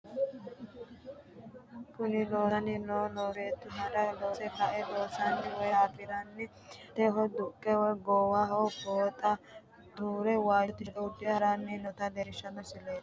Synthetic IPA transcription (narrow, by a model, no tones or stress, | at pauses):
kʊnɪlo̞ːsɐnɪnoːnoːfeːt̪ːʊɦɐɾɐloːsɛkɐʔɛloːsanːɪwɔjaːpɪd̪ɐnːɪ | t̪ɛɦɔd̪ʊkʼːɛwɔjɡoːwɐɦoːkoːt̪ʼɐ | d̪uːɾɛwaːt̪ːɪʔɛʊd̪ɪɐɾanːɪnɔt̪ɐleɾɪʃɐnɔsɪleː